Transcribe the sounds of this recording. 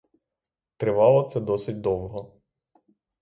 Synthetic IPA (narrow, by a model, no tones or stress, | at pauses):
t̪ɾɪʋɑlˠɔt̪sɛd̪ɔsɪt̚ʲd̪ɔwɦɔ